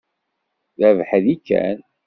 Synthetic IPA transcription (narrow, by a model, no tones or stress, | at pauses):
ðævħðikːæ̰n